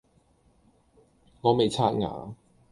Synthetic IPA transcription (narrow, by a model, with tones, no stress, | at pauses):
ŋɔː˨˧me˨jt͡sʰaː˥t̚ŋa̰ː˨˥˦